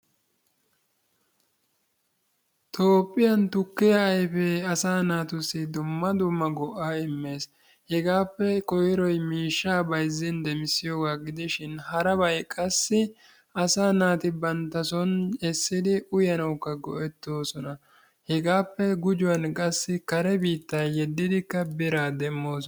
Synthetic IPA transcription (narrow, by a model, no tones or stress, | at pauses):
t̪ʰoːpʼːɪjɐnt̪ʊkːɪjɐɐjfɛɐsaːnaːt̪ʊsɪd̪ʊmːɐd̪ʊmːɐɡɔʔːaːɪmːe̞ːs | hɛɡaːpːɛkɔjɪɾɔjmiːʃːaːbɐjzːɪnd̪ɛmɪsɪjoːɡaːɡɪd̪ɪʃɪnhɐɾɐbɐjkʼɐsːɪ | ɐsaːnaːt̪ɪbɐnt̪ːɐsɔnɛsːɪd̪ɪʔʊjɐnɐwkːɐɡɔ̰ʔɛt̪ːo̞ːsɔnɐ | hɛɡaːpːɛɡʊd͡ʒʊwɐnkʼɐsːɪkɐɾɛbiːt̪ːɐjhɛd̪ːɪd̪ɪkːɐbɪɾaːd̪ɛmːoːsɔ